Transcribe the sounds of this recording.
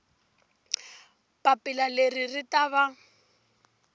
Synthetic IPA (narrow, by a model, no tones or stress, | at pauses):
papɪlaleriritaβa